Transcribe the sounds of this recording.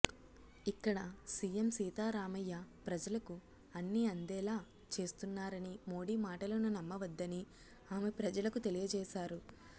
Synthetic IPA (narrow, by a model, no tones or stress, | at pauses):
ikːɐɽɐsiːjemsiːt̪aːɾaːmɐjːapɾɐd͡ʒɐlɐku | ɐnːiɐnd̪ɛːlaː | t͡ʃe̞ːst̪unːaːɾɐnimo̞ːɽiːmaːʈɐlɐnunɐmːɐʋɐd̪ːɐni | aːmepɾɐd͡ʒɐlɐkut̪e̞lijɐd͡ʒɛːʃaːɾu